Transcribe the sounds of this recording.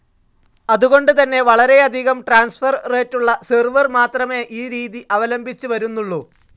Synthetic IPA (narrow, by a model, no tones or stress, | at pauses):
ɐðuɣo̞ɳɖɨt̪ɐnːe̞ʋɐɭɐɾe̞ɐd̪ʱiɣɐmʈraːnsfɐrreːtːuɭːɐsirʋɐrmaːt̪rɐme̞ʔiːɾiːðiʔɐʋɐlɐmbʱit͡ɕːɨʋɐɾunːuɭːu